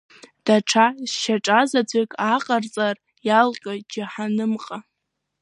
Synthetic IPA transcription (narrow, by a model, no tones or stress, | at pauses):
d̥aʈ͡ʂʰazʃaʈ͡ʂʼazad͡zʷʰʼekʼaqʼart͡sʼar | jalqʼad͡ʒaħanɨmqʼa